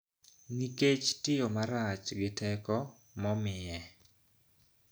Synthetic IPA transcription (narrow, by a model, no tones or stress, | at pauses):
niket͡ʃtɪjomaɾat͡ʃɡɪtɛkɔ | mɔmɪjɛ